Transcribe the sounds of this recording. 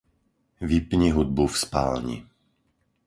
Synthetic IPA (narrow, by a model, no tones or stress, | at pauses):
ʋipɲiɦud̪̚bufspa̰ːlɲḭ